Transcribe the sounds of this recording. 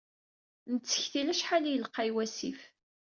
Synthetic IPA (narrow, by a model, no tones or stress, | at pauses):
nət͡sːə̥çθilæʃħalæjəlqːɑjwæsif